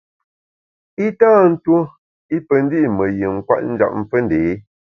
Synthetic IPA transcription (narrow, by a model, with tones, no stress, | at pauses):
i˦taː˦n̩˦two˦ | i˦pə˨n̩˦di˦ʔmə˨ji˨ŋ̩˨kwa̰˦ʔn̩˦d͡ʒa̰˨p̚m̩˦fə˦nde˨˦